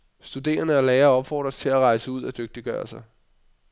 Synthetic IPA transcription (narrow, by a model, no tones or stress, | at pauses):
sd̥ud̥e̝̰ːɐnəæleːɐɒ̽b̥fɒ̰ːd̥ʁɐst͡sʰe̝læʁɑ̈ɪsəuð̰ˠæd̥øɡ̥̚d̥iɡ̥ɶ̰ːɐsɑ̈ɪ